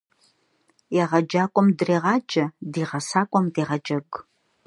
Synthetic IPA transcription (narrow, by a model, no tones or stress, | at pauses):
jaʁɐd͡ʒaːkʷʼɔmdreːʁɑːd͡ʒʼɐdiːʁɐsaːkʷʼɔmdeːʁɐd͡ʒɐɡ